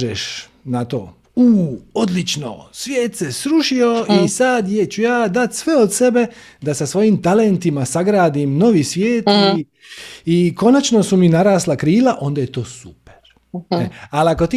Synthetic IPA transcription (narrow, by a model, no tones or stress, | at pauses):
ʒeʃ | nat̪o̰ː | uːo̞d̪lit͡ʃno̰sʋjeːt̪sesɾuʃio̞isad̪jet͡ɕujaːd̪at̪sʋe̞od̪se̞be̞d̪asasʋo̞jimt̪ale̞nt̪imasaɡɾaːd̪imno̞ʋisʋjeːti | iko̞nat͡ʃno̞suminaɾaːslakɾiːlaʔo̞nd̪ajet̪o̞ːsupe̥ɾ | ealiako̞t̪i